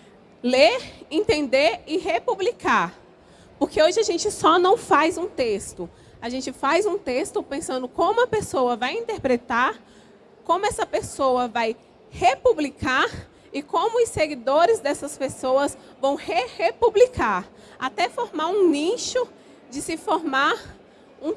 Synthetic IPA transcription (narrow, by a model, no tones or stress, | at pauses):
leɾẽnt̪ẽnd̪eɾɪɦepublikaɾ | poɾkeoʒɪaʒẽnt͡ʃɪsɔnɐ̃w̃fajzũt̪est̪ʊ | aʒẽnt͡ʃɪfajzũt̪est̪ʊpẽsɐ̃nd̪ʊkõmʊɐpesowɐvajĩnt̪eɾpɾet̪aɾ | kõmʊɛsɐpesowɐvaj | hepublikaɾ | ɪkõmʊʊseɡid̪oɾɪzd̪ɛsɐspesowɐs | vɐ̃w̃hehepublikaɾ | at̪ɛfoɾmaɾũnĩʃʊ | d͡ʒɪsɪfoɾma | ũ